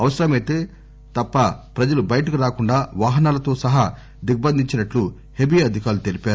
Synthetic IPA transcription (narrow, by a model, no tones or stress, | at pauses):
ɐʋɐsɐɾɐmɐjt̪eː | t̪ɐpːɐpɾɐd͡ʒɐlubɐjɐʈɐkuɾaːkuɳɖaːʋaːɦɐnaːlɐt̪o̞ːsɐɦɐ | d̪iɡ̚bɐnd̪ʱiɲt͡ʃinɐʈlu | hebiɐd̪ʱikaːɾlut̪e̞lipaːɾu